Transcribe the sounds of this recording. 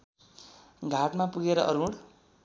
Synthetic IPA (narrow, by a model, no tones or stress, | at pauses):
ɡʱaʈmapuɡeɾʌʔʌ̰ɾuɽ